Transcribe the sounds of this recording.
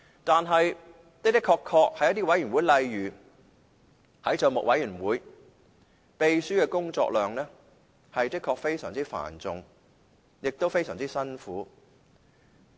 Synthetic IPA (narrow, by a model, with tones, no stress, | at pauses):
t̪aː˨nɦɐ˨j | t̪e˥t̪ɪ˥kʰːɔː˧kʰɔː˧k̚hɐ˨˧jɐ˥t̪iː˥wɐ˨˥jyː˨˩mwuː˨˥jlɐ˨˧jɥyː˨˩ | hɐ˨˥jt͡səː˨˧mʊ̰˨k̚wɐ˨˥jyː˨˩nwuː˨˥j | pe˨˧jsyː˥kɛː˧kʊ˥ŋt͡sɔ̰ː˧k̚lœː˨ŋlɛː˥ | hɐ˨jt̪ɪ˥kʰːɔː˧k̚fe˥jsœː˨˩ŋt͡siː˥fa̰ː˨˩nt͡sʊ˨ŋ | jɪ˨k̚t̪o˥wfe˥jsœː˨˩ŋt͡siː˥sɐ˥nfuː˨˥